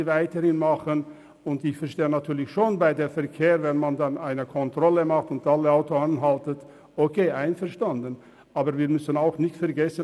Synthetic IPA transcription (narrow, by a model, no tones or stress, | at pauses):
vaɪtəhɪnmaχən | ʊntɪçfɛɐʁʃteːənatʰyːɐlɪçʃoːnbaɪdeːfɛɐkʰeːʁvɛnmandanaɪnəkʰɔntʁ̥ɔləmaχtʊntaləaʊtoanɦaltət | okʰeːʔaɪnfɛɐʃtandən | ʔaːbəɾviːɐmʏsənaʊxnɪçtfɛɐɡɛsə